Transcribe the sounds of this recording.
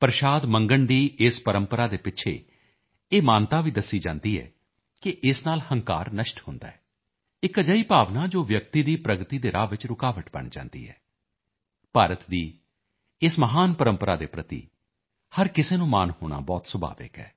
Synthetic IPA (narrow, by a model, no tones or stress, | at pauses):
pəɾʃaːd̪mə̃ŋɡəɳd̪iːɪspəɾəmpəɾaːd̪eːpɪʃʰḛː | eːmaːnt̪aːʋiːd̪əsiːd͡ʒã̰ːnd̪iːɛ̰ː | kɪʔɪsnaːlhəŋka̰ːɾnəʃʈhʊnd̪a̰ːɛː | ɪkəd͡ʒaːiːpaːʋnaːd͡ʒoːʋjək̚t̪iːd̪iːpɾəɡt̪iːd̪eːɾʔaːʋɪt͡ʃɾʊkaːʋəʈbə̰ɳd͡ʒã̰ːnd̪ḭːɛ̰ː | paːɾət̪d̪iː | ɪsməɦaːnpəɾəmpəɾa̰ːd̪eːpɾət̪ḭː | həɾkɪseːnũːmaːnhoːɽ̃a̰ːbɔːt̪səbʱa̰ːʋɪ̰kɛ̰ː